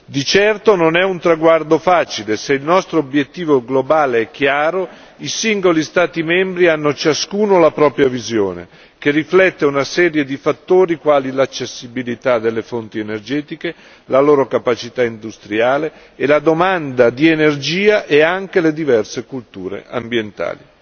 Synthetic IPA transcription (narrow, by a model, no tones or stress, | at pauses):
d̪it͡ʃɛrt̪ononɛunt̪ɾaɡward̪ofaːt͡ʃileseilnɔst̪ɾoːbjet̪ːiːvoɡlobaːleɛk̟ːjaːɾo | isiŋɡolist̪aːt̪imɛmbɾianːot͡ʃaskuːnolapɾɔːpɾjavizjo̰ːnḛ | kerːiflɛt̪ːeunasɛːɾjed̪ifat̪ːoːɾikwaːlilat͡ʃːesːibilit̪ad̪elːefont̪ienerd͡ʒɛːt̪ike | laloːɾokapat͡ʃit̪aind̪ust̪ɾjaːleː | lad̪omand̪ad̪ienerd͡ʒiːaʔeaŋkeled̪ivɛrsekult̪uːɾḛʔa̰mbjent̪a̰ːli